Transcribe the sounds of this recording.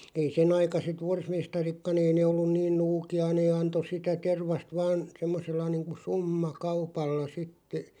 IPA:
ei senɑikɑset ʋorsmestɑrikːɑn ei neː olːun niːn nuːkiɑ neː ɑnto sitæ terʋɑst ʋɑːn semːoselːɑ niːŋku sumːɑkɑupɑlːɑ sitːe

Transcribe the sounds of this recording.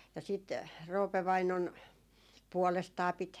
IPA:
jɑ sit roːpe ʋɑinon puɔlestɑː pit

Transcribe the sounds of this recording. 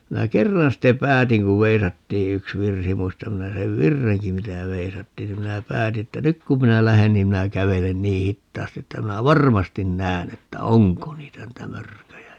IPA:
minæ kerːɑn ste pæːtiŋ ku ʋeisɑtːiː yks ʋirsi muistɑm minæ seʋ ʋirːeŋki mitæ ʋeisɑtːiːn ni minæ pæːti etːæ nyk kum minæ læhen niːm minæ kæʋelen niː hitːɑːsti etːæ minæ ʋɑrmɑstin næːn etːæ oŋko niːtæ niːtæ mørkøjæ

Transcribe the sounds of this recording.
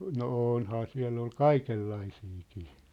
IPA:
no oːnhɑː siæ̝lː ol kɑikelːɑisiːkiː

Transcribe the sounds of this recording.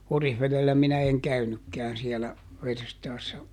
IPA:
orihʋeðelːæ minæ eŋ kæynykːɛæn siɛlæ ʋerstɑːsːɑ

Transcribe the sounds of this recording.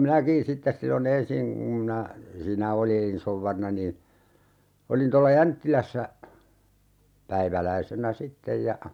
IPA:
minækĩː sitːes silːon ensiŋ ŋum minæ siːnæ oliːn souʋːɑrinɑ niːn̞ olin tolːɑ jæntːilæsːæ pæiʋælæisenæ sitːej jɑ

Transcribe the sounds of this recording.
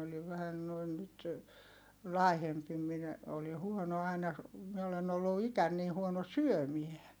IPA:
oliʋ ʋæhæn noin nyt lɑˑi̯hempi minæ oli huono ɑinɑ mie olen olːu ikæn niː huono syømie

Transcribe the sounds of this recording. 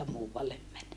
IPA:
muːʋɑlːem mæn

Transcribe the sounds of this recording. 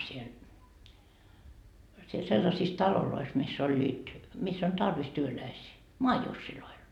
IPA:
siel siel selːɑsiːs tɑlolois misː olʲːiːt misː on tɑrʋis tyølæisiː moɑjusːiloil

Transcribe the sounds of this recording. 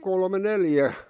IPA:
kolme neljæ

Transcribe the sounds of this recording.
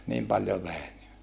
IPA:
niːm pɑljo ʋeˑi ni

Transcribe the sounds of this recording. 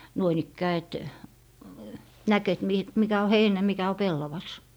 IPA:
nuoin ikːæː et næk et mi mikæ o heinæ mikæ o pelːɑʋɑs

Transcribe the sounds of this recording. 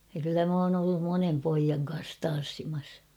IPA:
jɑ kylːæ m oːn olːum monem poijɑŋ kɑns tɑn̞sːimɑs

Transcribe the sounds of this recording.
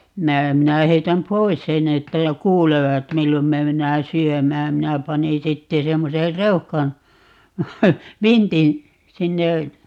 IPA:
minæ minæ heitæm pois senˑ etːæ jo kuːleʋɑt milːom me menːæː syømæːm minæ pɑni sitːe semːoser reuhkɑn ʋintin sinːe

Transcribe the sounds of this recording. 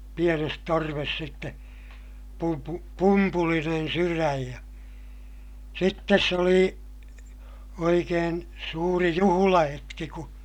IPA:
pienes torʋes sitːe pumpu pumpulinen syræj jɑ sitːes se oli oikeːn suːri juhulɑhetki ku

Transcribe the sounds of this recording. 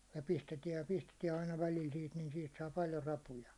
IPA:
jɑ pistetiɛj jɑ pistetiɛ ɑinɑ ʋælil siːt nin siːt sɑː pɑljo rɑpujɑ

